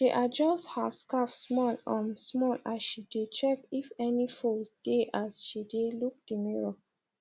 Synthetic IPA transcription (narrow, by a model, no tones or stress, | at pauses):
ʃiʔad͡ʒɔsthaskafsmɔ̃nɔ̃nsmɔ̃naʃidet͡ʃɛkifɛnifuld̥eʔasʃideluk̚dimiɹo